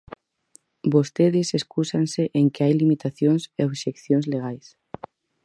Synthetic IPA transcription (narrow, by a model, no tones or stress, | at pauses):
bost̪eðɪseskusanseʔeŋkɪajlimit̪aθjõŋseoβʃekθjõŋzleɣajs